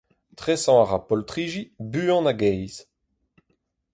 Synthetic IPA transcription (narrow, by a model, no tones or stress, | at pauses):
t̪ʁɛsɑ̃aʁapɔlt̪ʁiːʒibyːɑ̃naɡɛjz̥